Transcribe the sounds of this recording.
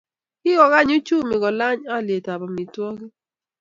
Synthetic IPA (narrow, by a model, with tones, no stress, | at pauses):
kɪ˦ɡɔ˨ɣa˦ɲʊ˦t͡ʃu˦mɪ˨ɡɔ˨la˦ɲa˦˨lje˨ta˨ba˨mi˨twɔ˦ki˦